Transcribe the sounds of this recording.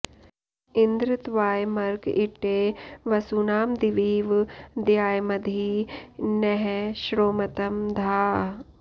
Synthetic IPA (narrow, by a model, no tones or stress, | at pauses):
ind̪ɾɪt̪ʋaːjmɐɾɡiʈeːʋɐsunaːmd̪iʋiːʋd̪jaːjmɐd̪ʱiːnɛɦɛʃɾoːmɐt̪ɐmd̪ʱaː